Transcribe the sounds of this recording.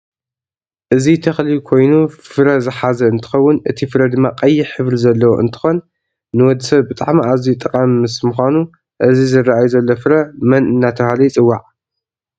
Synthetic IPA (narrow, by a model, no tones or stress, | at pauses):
ʔɨzit̪ʰɐxlikʰo̞jnufɨɾɐzɨħazɐɨnt̪ʰɨ̥xɐwːʊnʔɨ̰t̪ʰifɨɾɐd̪ɨmːaqʼɐjːɪħɨβɾizɐlːɐwoʔɨ̰nt̪ʰɨ̥xo̞nː | ɨwɔd̪ːɨsɐβbɨt̪ʼaʕmiazijt̪ʼɐkʼamːɨsmɨxʷanu | ʔɨzizɨrːaajuzɐlːofɨɾɐmɐnʔɨnːat̪ʰɐhalɐjt͡sʼɨwːaʕ